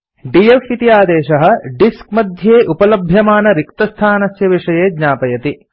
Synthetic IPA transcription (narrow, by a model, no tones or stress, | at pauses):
ɖijefit̪ijaːd̪eːʃɐɦɐ̆ɖiskmɐd̪ʱjeːʔupɐlɐbʱjɐmaːnɐɾik̚t̪ɐst̪ʰaːnɐsjɐʋiʂɐjeːd̪ɲaːpɐjɐt̪i